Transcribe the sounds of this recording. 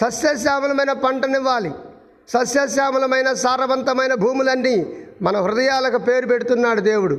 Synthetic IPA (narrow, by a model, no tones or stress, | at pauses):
sɐsjɐs̬aːmulɐmɐjnɐpɐɳʈɐniʋːaːli | sɐsjɐs̬aːmulɐmɐjnɐsaːɾɐbɐnt̪ɐmɐjnɐbʱuːmulɐnːimɐnɐɦɾud̪ɐjaːlɐkupe̞ːɾupeʈut̪unːaːɽud̪eːwuɽu